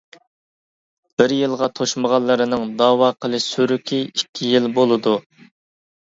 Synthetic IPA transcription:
b̥ɪɾjɨlˠʁɑt̪ʰoʃməʁɑlˠːɨɾɨnɨŋd̪ɑːwɑːqʰəlˠɨsyɾykʲʰiikʲʰːijilbolˠɨd̪u

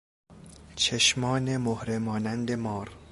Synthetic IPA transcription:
t͡ʃʰeʃmɒːnemohɾemɒːnænd̪e̞mɒːɾ

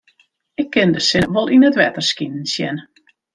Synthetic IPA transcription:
ɪkʰːɪndəsɪʋolˠinətʋɛtərskinn̩sjɛ̰n

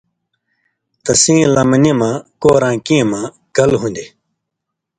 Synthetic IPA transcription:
t̪ɐsĩːlɐmnimãːkoːɾãːkĩːmãː | kɐlɦũnʲd̪i

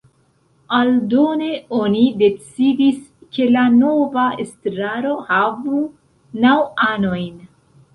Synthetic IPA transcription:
aldo̞ne̞o̞nide̞t͡sidiske̞lano̞vaestɾaɾo̞havu | nawano̞jn

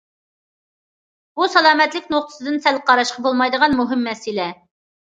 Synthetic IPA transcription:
busɑlˠɑːmɛt̪lɪkʲnoq̚t̪ʰə̥sɨd̪ɨnsælqʰɑɾɑʃqɑbolˠmɑjd̪əʁɑnmuɦɪmːɛsɪlɛ

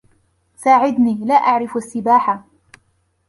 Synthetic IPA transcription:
saːʕɪd̪niːlaːʔaʕɾɪfasːɪbaːħa

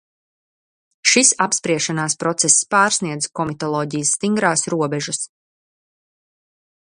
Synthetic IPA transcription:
ʃisapspɾiɛʃanaːspɾɔt̪sɛsspaːɾsniɛd̪zkɔmit̪ɔlˠɔːɟijəsːt̪iŋɡɾaːsɾuɔbɛʒus

